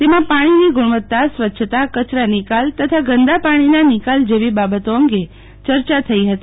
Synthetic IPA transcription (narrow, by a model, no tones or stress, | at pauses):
t̪emãpaɽ̃iniɡʊɽ̃ʋət̪ːasʋətːʃʰət̪akət͡ʃɾanɪkalt̪ət̪ʰaɡənd̪apaɽ̃inanikald͡ʒeʋibabət̪oəŋɡe | t͡ʃəɾt͡ʃat̪ʰəiɦət̪i